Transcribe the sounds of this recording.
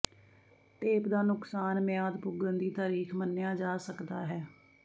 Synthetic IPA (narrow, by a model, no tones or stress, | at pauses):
t̪eːpd̪aːnʊksaːnmɪjaːd̪bʊɡənd̪iːt̪aːɾiːkʰmənːjaːd͡ʒaːsəkd̪aːɦɛː